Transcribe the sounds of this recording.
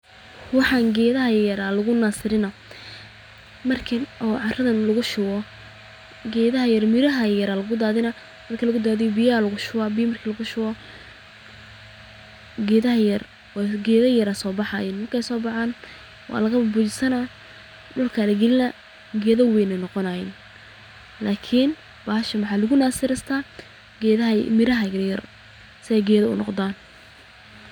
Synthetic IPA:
wɑħɑːŋɡɛːðɐɦɐjɐɾalɐɣʊnaːsɪɾɪnɐ | mɐrkʰɪnɔːʕɑrɐðɐnlɐɣʊʃʊwɔ | ɡɛːðɐɦɐjɐrmɪɾɐɦɐjɐɾaːlɐɣʊd̪aːðɪnɐ | mɐrkʰilɐɣʊd̪aːðɪjbɪjalɐɣʊʃʊwaːbɪjmɐrkʰilɐɣʊʃʊwɔ | ɡɛːðɐɦɐjɐr | wɡɛːðɐjɐɾasɔːbɑħɑjɪnmɐrkʰɛjsɔːbɑħaːn | wɑ̰ːlɐɣɐbɐbuːt͡ʃɪsɐna | ɖʊlkʰalɛɡɛlɪnɐ | ɡɛːðɐwɛːnɐnɔqɔnajɪn | laːkʰɪn | b̥aːhɐʃɐmɑħɑːlɐɣʊnaːsɪɾɐst̪ʰaː | ɡɛðɐmɪɾɐɦɐjɐrjɐr | sɪɛjɡɛːðɐʊ̰nɔ̰qd̪aːn

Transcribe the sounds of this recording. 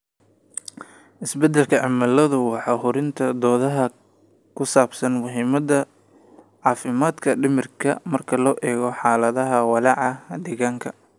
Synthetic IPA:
ʔɪsbɛd̪ɛlkʰɐʕɪmɐlɐðʊwɑħɑːɦʊɾɪnt̪ʰɐd̪ɔːðɐɦɐ | kʰʊsaːbsɐnmʊɦiːmɐd̪ɐ | ʕɑːfɪmaːd̪kʰɐɖɪmɪrkʰɐ̰mɐrkʰɐlɔːʔɛːɣɔħɑːlɐðɐɦɐwɑlɑʕɑd̪ɛːɣaːŋkʰɐ

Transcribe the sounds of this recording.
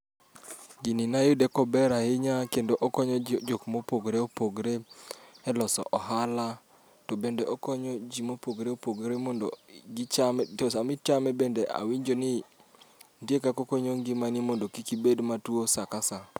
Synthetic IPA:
ɡinɪnajʊdekɔbɛɾahɪɲakendoʔɔkɔɲɔd͡ʒokmopoɡɾeopoɡɾeɛlɔsɔ̰ʔɔɦala | tɔbendeɔkɔɲɔd͡ʒimopoɡɾeopoɡɾemɔndo̰ɡɪt͡ʃamtosamɪt͡ʃamɛbendeʔa̰wiɲd͡ʒonɪ | ndjekakokoɲoŋɡɪmanimɔndokikibedmatwosakasa

